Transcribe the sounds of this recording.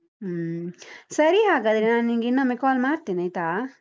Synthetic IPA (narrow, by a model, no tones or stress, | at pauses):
səɾihakəd̪ɾinanĩŋɡinəmekɔlmaɾt̪inəjt̪a